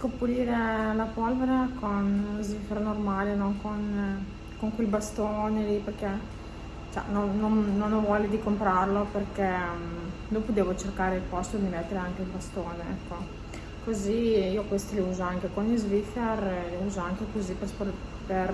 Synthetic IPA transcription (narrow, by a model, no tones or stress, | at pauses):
kopːuliːɾelapɔlveɾekonzvifernormaːlenoŋkon | koŋkwelbast̪oːneliperke | t͡ʃɛ̰nonːonːonːovwɔːled̪ikompɾarloperkɛ | d̪oːpud̪eːvot͡ʃerkaːɾeilpɔst̪od̪imet̪ːeɾeaŋk̟eilbast̪oːneɛ̰kʰːo | koziiːokwest̪iliuːzoaŋk̟ekonizviferliuːzoaŋkekoziperspoper